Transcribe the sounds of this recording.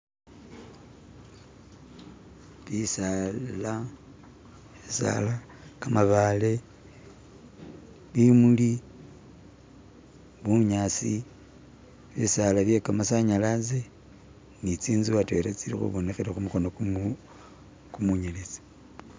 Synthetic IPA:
βisala | βisa̰la | kamaβale̞ | βimuli | βuɲasi | βisalaβje̞kamasaɲalaze | nit͡siːnziβatweɾet͡siɾḭxṵβo̞ne̞xeɾexumuxo̞nok | kumuɲelet͡si̥

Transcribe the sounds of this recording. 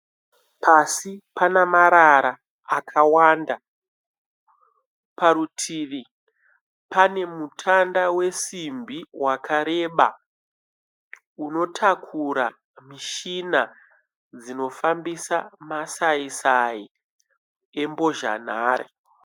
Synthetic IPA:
pʰasipanamaɾaɾaː | kʰawaːnda | paɾutʰiʋi | pane̞mutʰandawe̞simbiwakʰaɾe̞ɓa̰ | uno̞tʰakʰuɾa | miʃina | d͡zino̞fambisamasaisai | e̞mbo̞ʒa̰naːɾḛ

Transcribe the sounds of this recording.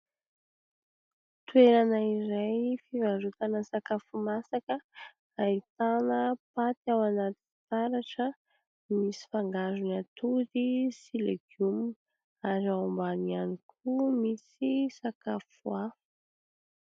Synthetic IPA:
t̪weɾanəiɾajfivaɾut̪anəsakafumasakə | ait̪anəpat̪iawanat̪i̥t̪aɾaʈ͡ʂə | misi̥faŋɡazunat̪uɾisileɡum | aɾaumbanianikʰumisisakafua

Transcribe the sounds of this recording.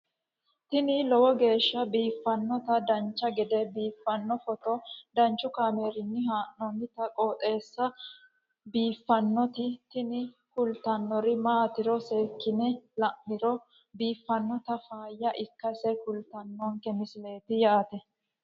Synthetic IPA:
t̪ɪnɪlɔwɔɡe̞ːʃːɐbiːfːɐnːɔt̪ɐd̪ɐnt͡ʃːɐɡɛd̪ɛbiːfːɐnːɔfɔt̪ɔd̪ɐnt͡ʃːʊkaːmeɾɪnːɪɦaːʔɔnɪt̪ɐkʼoːt̪ʼe̞ːsːɐ | biːfːɐnːɔt̪ɪt̪ɪnɪ | kʊlt̪ɐnːɔɾɪmaːt̪ɪɾɔse̞ːkːɪnɛlɐʔːɪɾɔ | biːfːɐnːɔt̪ɐfaːjːɐʔɪkːɐsɛkʊlt̪ɐnːɔŋkɛmɪsɪle̞ːt̪ɪjaːt̪ɛ

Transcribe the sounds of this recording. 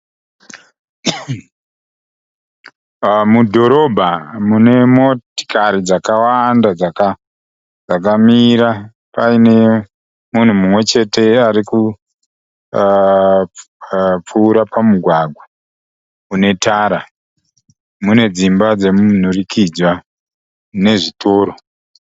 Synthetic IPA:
mudʱo̞ɾo̞bʱamune̞mo̞ti̥kaɾid͡zakawandad͡zaka | d͡zakamiɾa | paine̞ | mun̤umumwe̞t͡ʃe̞te̞aɾiku | p͡fuːɾapʰamuɡʱwaɡʱwa | une̞tʰaːɾa | mune̞d͡zimbad͡ze̞mun̤urikʰid͡zwa | ne̞ʐitʰo̞ːɾo

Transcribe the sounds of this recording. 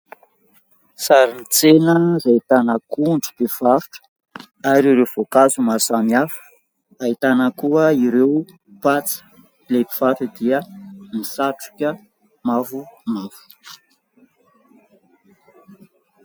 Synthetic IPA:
saɾinit͡senəzait̪anakuɳɖ͡ʐu̥pev̥aɾu̥ʈ͡ʂə̥ | aɾiɾev̥okazumasamiafə̥ | ait̪anəkuəiɾew | pat͡si̥ | lepi̥v̥aʈ͡ʂəd̪iəmisaʈ͡ʂu̥kʲə | mavumavu̥

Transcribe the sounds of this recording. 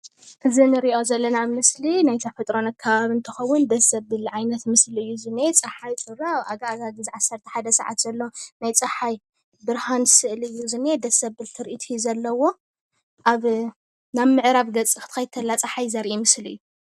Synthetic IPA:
ʔɨzinɨɾiʔo̞zɐlːɐnamɨslinajt̪ʰɐfɐt̪ʼɾo̞nakʰːaβaβiɨnt̪ʰɨxɐwːʊnd̪ɐsɐbbɨlʕajnɐt̪mɨsliɨjːuzɨnet͡sʼɐħajt͡sʼɨɾaaɡaaɡaɡɨzʕasːɐɾt̪ʰɐ̥ħad̪ɐsɐ̰ʕa̰t̪z̥ɐlːowonajt͡sʼɐħaj | bɨɾhansɨʔlɨjːuzɨned̪ɐsɐβːɨlt̪ʰɨɾʔit̪ʰijzɐlːɐwo̞ | ʔaβ | naβmɨʕɾaβɡɐt͡sʼːixɨt̪ʰɨkɐjt̪ʰɐlːat͡sʼɐħajzɐɾʔimɨsliɨjːu

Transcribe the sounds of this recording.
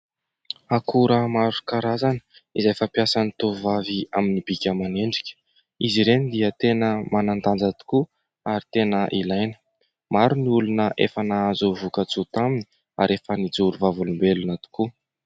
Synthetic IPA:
akʰuɾamaɾukaɾazanə̥izajfapiasanit̪uvavia̰minibikʲəmaneɳɖ͡ʐikʲə̥ | iziɾenid̪iət̪enəmanant̪and͡zat̪u̥ku | aɾit̪enəʔilajnə̥ | maɾuniulunəʔḛfanaazuvukət͡sut̪amini | a̰ɾefənid͡zuɾuvavulumbelunat̪u̥ku

